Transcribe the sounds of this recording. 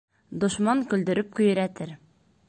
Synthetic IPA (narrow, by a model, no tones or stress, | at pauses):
d̪ŏʃmɑŋkɵ̆ld̪ɵ̆ɾɘp̚kɵ̆jɘ̆ɾæt̪ɘɾ